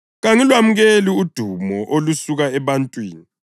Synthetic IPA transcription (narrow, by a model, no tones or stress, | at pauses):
ɣaŋilwamuɣeliud̥ʱumɔʔolusuɣaɛβantʼwiːni